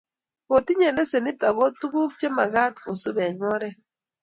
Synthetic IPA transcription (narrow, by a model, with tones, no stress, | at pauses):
o˨ti˦ɲe˨ne˦se˨nɪ˦ta˨ɡɔ˦tu˦ɡu˦p̚t͡ʃe˦ma˨ɡa˦tko˨su˦bɛ˨ɲɔ˦ɾɛ˦